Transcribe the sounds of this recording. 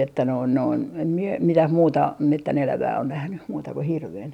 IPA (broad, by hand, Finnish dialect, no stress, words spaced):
etːæ noin noin em mie mitæh muːtɑ metːænelæʋæː on næhny muːtɑ ku hirʋen